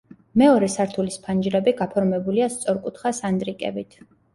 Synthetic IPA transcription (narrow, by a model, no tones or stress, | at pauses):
mɛɔɾɛsaɾt̪ʰulispʰand͡ʒɾɛbiɡapʰɔɾmɛbuliast̪sʼɔɾkʼut̪ʰχasand̪ɾikʼɛ̰bit̪ʰ